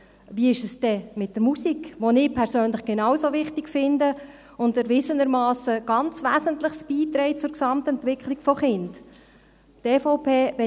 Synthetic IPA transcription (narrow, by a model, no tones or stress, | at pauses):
viɪʃəsd̥ɛmɪt̚d̥əɾmusikʋonɪːpʰɛɾsøːnlɪχɡ̥enɑwsovɪχtɪkfɪndə | ʊntəɾʋɪzənəɾmɑːsəɡ̥ɑnt͡sʋæːsəntləχsb̥iːt̪ɾɛɪt͡sʊɾksɑmtɛntʋɪkʰliɡ̥fɔχɪnd | teːfɔʊpʰeːvɛ